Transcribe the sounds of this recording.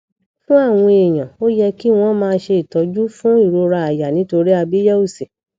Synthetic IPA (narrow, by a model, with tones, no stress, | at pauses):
fũ˦a˦˨w̃ɔ̃˧e˨j̃ã˨o˦jɛ˧ki˦w̃ɔ̃˦mãː˧ʃe˧i˨tɔ˨˧d͡ʒu˦fũ˦i˦˨ɾo˧ɾa˧a˨ja˨nĩ˨˦to˧ɾi˦a˧bi˦ja˦u˦˨se˨